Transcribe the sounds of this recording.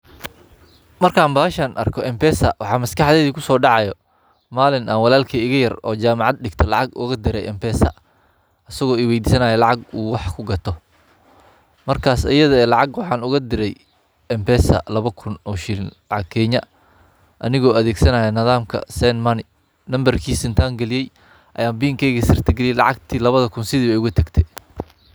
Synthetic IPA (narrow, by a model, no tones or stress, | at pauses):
mɐrkʰaːnbaːʃɐːnʔɐ̰rkʰɔʔɛmpɛsɐ̰wɑħɑːmɐskɑħd̪ɛðiːkʰʊsɔːɖɑʕɑjɔ | maːlɪnɐwɑlaːlkʰɐɪɣɐjɐrɔːt͡ʃaːmɑʕɑd̪̚ɖɪɡt̪ʰɔlɑʕɑɡʊ̰ɣɐd̪ɪɾɛjʔɛmpʰɛːsɐ̰ | ʔɐsɐɣɔːɪwɛjd̪isɐnaːjɛlɑʕɑɡuːwɑħkʰʊɡɐt̪ʰɔ | mɐrkʰaːsɐ̰jɐðɐɛːlɑʕɑɡwɑħɑːnʊɣɐd̪ɪɾɛj | ɛmpɛːsɐ̰lɐβɐkʰʊnɔːʃillɑʕɑɡ̚kʰɛːɲɐ | ʔɐnɪɣɔːɐðɛːɡsɐnaːjɐnɐðaːmkʰɐ̰sɛnmɐnɪ | nɐmbɐrkʰiːsɪnt̪ʰaːŋɡɐlɪjɛj | ʔɐ̰jaːmbiːŋkʰɛjɣɐsɪr̥t̪ʰɐɡɛlijɛlɑ̰ʕɑɡ̚t̪ʰiːlɐβɐðɐkʰʊnsɪðiːɛʊɣʊt̪ʰɐɡt̪ʰɛ